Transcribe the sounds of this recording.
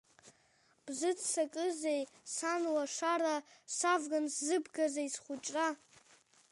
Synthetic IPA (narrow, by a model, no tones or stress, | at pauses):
b̥zɨdsakʼɨzejsanwaʂaɾasavɡanszɨbɡazaisχʷʊt͡ʃʼra